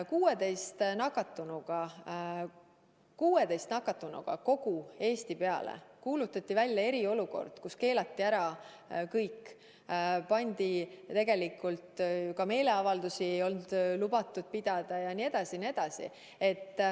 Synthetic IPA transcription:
kuːe̞d̪e̞jst̪nɑkːˑɑt̪ːˑunuɡ̥ɑ | kuːe̞d̪ejst̪nɑkːˑɑt̪ːˑunṵɡ̥ɑ̰ko̞ɡ̥ue̞ːst̪ipe̞ɑ̰lḛkuːlut̪ːˑɑt̪ʲːˑivælʲjɑe̞ɾio̞luko̞̰rd̪̥kuske̞ːlɑt̪ːiæɾɑ | kɤjkː | pɑnʲd̪̥it̪e̞ɡe̞likːˑult̪kɑme̞ːle̞ɑvɑld̪usiejo̞lnd̪̥lubɑt̪ːˑud̪̥̚pid̪̥ɑd̪̥ɑjɑnie̞d̪̥ɑsinie̞d̪̥ɑsḭ | e̞t̪ːˑ

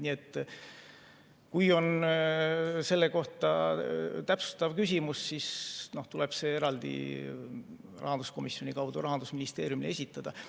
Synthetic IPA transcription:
niet̪ːˑ | kujo̞n | se̞lːe̞ko̞ht̪ɑ | t̪æpsu̥st̪ɑvkysʲimussisno̞ht̪ule̞b̥se̞e̞ɾɑld̪̥ḭ | rʔɑ̰ɦɑnd̪̥usko̞misionʲikɑwd̪̥uɾɑɦɑnd̪usminist̪e̞ːɾjumile̞sʲit̪ːˑɑd̪̥ɑ

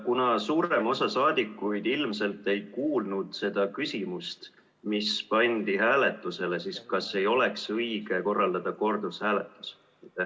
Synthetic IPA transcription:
kunɑsuːɾe̞mo̞sɑsɑːd̪̥ʲikːˑujd̪̥ilmse̞lt̪ːˑe̞jkuːlnud̪̥se̞d̪̥ɑkysʲimust̪ | mispɑnʲd̪̥iɦæːle̞t̪ːˑuse̞le̞siskɑse̞jo̞le̞ksɤjɡ̥e̞ko̞rːɑld̪̥ɑd̪̥ɑko̞rd̪̥ushæːle̞t̪ːˑu̥s | it̪ːe

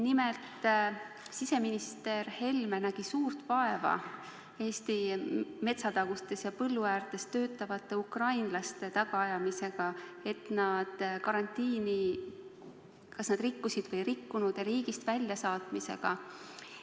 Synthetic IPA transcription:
nimelt̪ | sise̞minist̪e̞rhe̞lmenæɡ̥isuːrt̪vɑe̞vɑ̰ | e̞ːst̪ime̞t̪sɑt̪ɑɡ̥ust̪e̞sjɑpɤlːuæːrt̪e̞st̪ø̞ːt̪ːˑɑvɑt̪ːˑe̞ukrɑjnlɑst̪e̞t̪ɑɡ̥ɑɑjɑmise̞ɡ̥ɑe̞t̪nɑd̪̥kɑɾɑnt̪ːˑiːni | kɑsnɑd̪rikːusid̪̥vɤjrikːunud̪̥jɑɾiːɡist̪vælʲjɑsɑːt̪mise̞̰ɡ̥ɑ

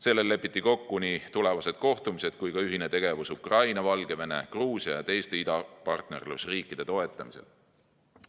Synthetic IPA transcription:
se̞lːe̞lːe̞pːˑit̪ːˑiko̞kːuniːt̪ule̞vɑse̞d̪̥̚ko̞ht̪umise̞d̪̥kujkɑyɦine̞t̪e̞ɡ̥e̞vusukrɑjnɑvɑlɡ̥e̞ve̞ne̞̰kruːsiɑjɑt̪e̞jst̪e̞id̪̥ɑpɑrt̪ne̞̰rlusriːkːˑid̪̥e̞t̪o̞e̞t̪ˑːɑmise̞̰l

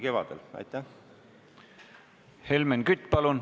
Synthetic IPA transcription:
ke̞vɑ̰d̪̥elɑ̰jt̪ːˑæ | helmenkyt̪ʲːˑpɑlun

